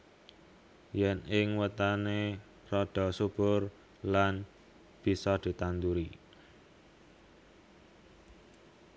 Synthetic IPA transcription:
jɛnɪŋwət̪ane | rɔɖ̥ɔ̤sub̥ʊr | lan | b̥i̤sɔd̪̥i̤t̪and̪uɾi

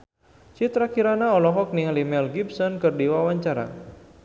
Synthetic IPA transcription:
t͡ʃit̪ɾakiɾanaɔlɔɦɔk̚niŋalimɛlɡibsɔnkɨrdiwawaɲt͡ʃaɾa̰

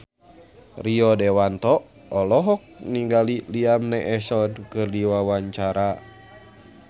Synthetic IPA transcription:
riɔdɛwant̪ɔ | ɔlɔɦɔk̚niŋɡaliliamnɛʔɛsɔnkɨrdiwawaɲt͡ʃaɾa

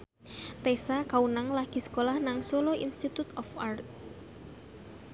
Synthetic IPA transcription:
t̪esakaunaŋlaɡ̥i̤sə̥kolahnaŋsoloinst̪it̪ut̪ɔfart̪̚

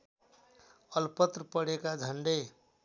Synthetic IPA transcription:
ʌlpʌt̪ɾəpʌɽekad͡ʒʱʌɳɖej

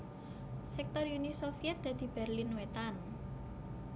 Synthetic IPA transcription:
sɛk̚t̪ɔrjunisofijɛt̪̚d̪̥a̤d̪̥i̤b̥ɛrlɪnwet̪an

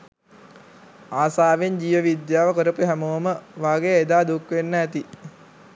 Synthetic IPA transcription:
aːsaːʋeɲd͡ʑiːʋəʋid̪jaːʋəkəɾəpuɦæmoːməʋaːɡejəed̪aːd̪ukʋenːəæt̪i

